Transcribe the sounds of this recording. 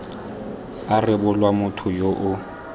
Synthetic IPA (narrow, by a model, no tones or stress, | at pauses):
arɪbʊlwamʊtʰʊjoʔʊ